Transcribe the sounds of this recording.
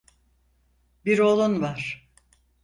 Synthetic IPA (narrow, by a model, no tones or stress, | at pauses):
biɾolˠunvaɾ̥